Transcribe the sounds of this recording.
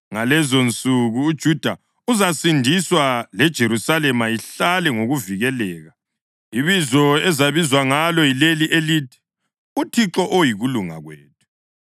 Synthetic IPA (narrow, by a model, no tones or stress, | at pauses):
ŋalɛzont͡sʼuɣuːd̥ʒ̥ʱud̥ʱa̰ | uzasindʱiswalɛd̥ʒ̥ʱeɾusalɛmaiɬalɛŋoɣuviɣɛlɛːɣa | iβizɔɛzaβizwaŋalɔjileliʔeliːti̥ | utʰiǁɔʔojiɣuluŋa̰ɣwḛːt̚ʰu̥